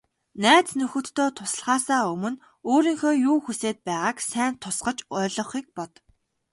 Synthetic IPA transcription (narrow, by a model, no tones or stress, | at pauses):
næːt͡snɵxɵ̆t̪ʰːoːt̪ʰʊsə̆ɮʁaːsaːɵmɵ̆n | oːɾiːŋxoːjuːxuseːt̪̚pæːʁaːksæːnt̪ʰʊsqə̆t͡ɕɔːɮɞ̆χiːk̚pɔt̪